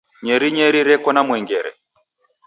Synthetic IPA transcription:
ɲɛɾiɲɛɾiɾɛkɔnamwɛŋɡɛɾɛ̰

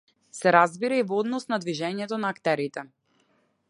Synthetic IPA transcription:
sɛɾazbiɾaivɔd̪nɔsnad̪viʒɛɲɛt̪ɔnaːkt̪ɛɾit̪ɛ

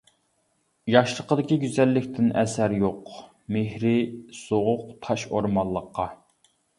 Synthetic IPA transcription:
jɑʃlˠəqəd̪ɪkʲiɡʲyzɛlːɪkʲt̪ʰɪnɛsæɾjoq | mehɾɪsoʁʊq̚t̪ʰɑʃoɾmɑlˠːəqʰːɑ

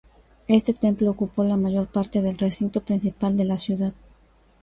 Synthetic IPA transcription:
e̞st̪et̪e̞mplo̞ːkupo̞lamaʝo̞ɾpaɾt̪e̞ðe̞lresint̪o̞pɾinsipald̪e̞lasjuðað

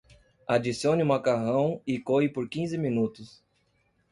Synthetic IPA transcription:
ad͡ʒisiõniũmakaɦɐ̃w̃ɪkoɪpoɾkĩzɪmĩnut̪ʊs

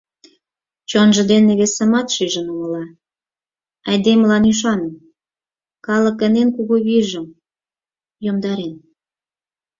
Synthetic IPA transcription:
t͡ɕonʒə̆d̪eneβesə̆mɑt̪ʃyʒənumə̆lɑ | ɑjd̪emlɑnyʃ̬ɑnə̆m | kɑlə̆kə̆nenkuɣoβiʒə̆m | jomd̪ɑɾen

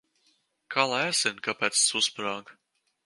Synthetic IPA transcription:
kʰalˠaæsɛnkapʲɛːt̪ssuspɾaːɡ

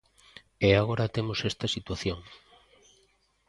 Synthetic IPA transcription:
eaɣoɾɐt̪emosest̪ɐsit̪waθjoŋ

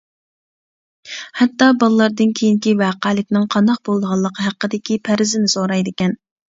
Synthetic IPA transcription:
hɛt̪ːɑbɑlˠəlˠɑɾd̪ɨnkʲʰejiŋkʲivæːqælɪkʲnɪŋqʰɑnd̪ɑq̚bolˠd̪əʁɑlˠːəqʰəɦæqːəd̪ɪkʲipʰæɾɪzɪnɪsoɾɑjd̪ɪkʲɛn

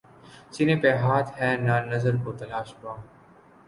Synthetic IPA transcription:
t͡ʃɪnẽːpeːɦaːt̪ʰɦɛːnaːnəzəɾkoːt̪ɐlaːʃbaː

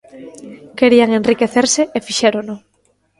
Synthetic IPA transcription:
keɾiaŋenrikeθeɾseefiʃeɾonʊ

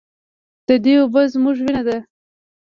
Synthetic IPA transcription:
d̪̥əd̪eobazmuʒwinad̪a

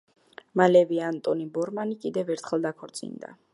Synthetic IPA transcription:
malɛviant̪ʼɔnibɔɾmanikʼid̪ɛvɛɾt̪ʰχɛlˠd̪akʰɔɾt̪sʼḭnd̪a̰

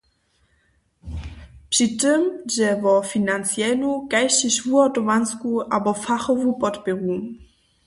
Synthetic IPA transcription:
pʂitɪmʑɛvɔfinant͡sjɛnukajɕiɕvuɔtɔmanskuʔabɔfaxɔvupɔtpɛɣu

